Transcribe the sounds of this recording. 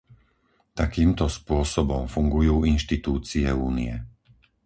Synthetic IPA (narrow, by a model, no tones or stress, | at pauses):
t̪akiːmt̪ɔspʊɔsɔbɔmfuŋɡujuːinʃt̪it̪uːt͡siɛuːnḭjɛ̰